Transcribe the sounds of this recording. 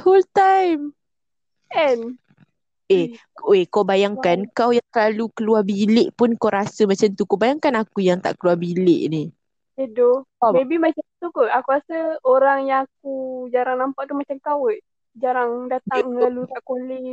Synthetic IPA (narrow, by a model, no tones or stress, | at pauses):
holt̪ajm | ʔɛn | eekawbajaŋkankawjaŋsəlalukəluarbilɪʔpʊnkawɾasəmat͡ʃamt̪ukawbajaŋkanakujaŋt̪a̰ʔkəluabilɪʔni | edoebimat͡ʃat̪ukoakuɾasəoɾaŋjaŋak̚ud͡ʒaɾaŋnampaʔt̪umat͡ʃamkawəʔ | d͡ʒaɾaŋdat̪aŋlalut̪aʔkoli